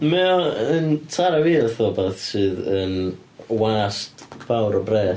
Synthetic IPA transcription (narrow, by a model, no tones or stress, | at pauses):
mɛɔəntʰaɾawiːrθɔːbɛθsɨːðən | waːstb̥awɾɔbrɛː